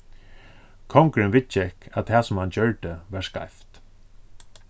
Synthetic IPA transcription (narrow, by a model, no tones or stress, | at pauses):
kʰɔŋkɾɪnʋɪt͡ʃːəɪhkæat̪ʰɛːsʊmhant͡ɕœɹʈ̪əʋæɹska̰jft̪